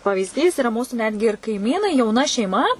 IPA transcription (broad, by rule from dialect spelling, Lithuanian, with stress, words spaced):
pɐʋʲiːzʲˈdʲiːs ɪˈrɐ ˈmuːsʊ ˈnʲæːdʲɡʲɪ ɪr kɐɪˈmʲiːnɐɪ jɛʊˈnɐ ʃʲɛɪˈmɐ